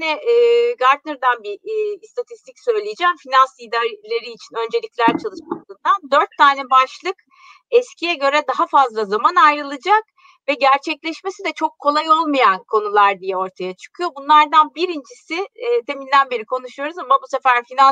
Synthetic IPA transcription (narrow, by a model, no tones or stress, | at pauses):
inɛːɡaɾd̪nɯɾd̪anbist̪ʰat̪ʰist̪ʰicsø̞jlʲijd͡ʒɛːmfinansid̪aɾlʲeɾiːt͡ʃʰinø̞nd͡ʒe̞lʲiclʲæɾt͡ʃʰalˠɯʃmad̪ɯnd̪and̪ø̞ɾt̪ʰːaːnɛbaʃlˠɯk | ɛscʰijɛɟø̞ɾɛd̪aɦafazlˠazamanajɾɯlˠɯd͡ʒak | vɛɟæɾt͡ʃʰɛclʲɛʃmesid̪ɛt͡ʃʰo̞kʰːo̞lˠajo̞lˠmajankʰo̞nulˠaɾd̪ijɛo̞ɾt̪ʰajat͡ʃʰɯ̥kʰujo̞bunlˠaɾd̪anbiɾind͡ʒisɪːt̪ʰe̞minʲd̪ænbeɾikʰo̞nuʃujo̞ɾuzamabuse̞fæɾfina